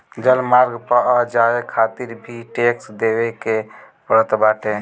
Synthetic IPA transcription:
d͡ʒəlmaːɾɡpəad͡ʒaekʰat̪iɾbʱiʈeksd̪ebeke | pəɾət̪baːʈe

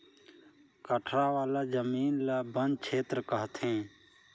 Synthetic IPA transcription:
kəʈʰɾaːʋaːlaːd͡ʒəmiːnlaːbənkt͡ʃʰeːt̪ɾkəɦt̪ʰẽː

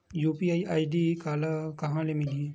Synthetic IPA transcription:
juːpiaːiʔaːiɖikaːlakɐɦãːlemɪlieː

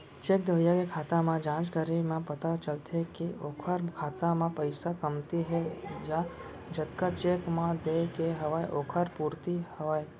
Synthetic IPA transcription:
t͡ʃeːk̚d̪ʱəjakekʰaːt̪amãd͡ʒãːt͡ʃɡəɾimãpət̪at͡ʃəlt̪ʰekeoːkʰəɾkʰaːt̪amãpəɪsakəmt̪iɦɛd͡ʒa | d͡ʒət̪kat͡ʃeːkmãd̪ekeɦəʋaːeʔoːkʰəɾpuːɾt̪ihəʋaːe

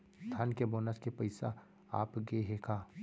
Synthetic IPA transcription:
st̪ʰaːnkeboːnəskepɐɪsa | a̰ːpɡeɦekʰaː

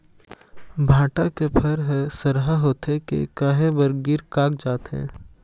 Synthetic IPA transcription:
bʱãːʈakepʰɐɾɦɛsɐɾɦaɦoːt̪ekḛkəɦẽbəɾɡɪɾkaːk̚d͡ʒaːt̪ɦɛ̰̃ː

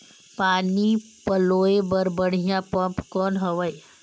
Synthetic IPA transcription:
paːni | pəloːebəɾbəɽ̤ijãpɐ̃mpkɔːnɦɐʋəj

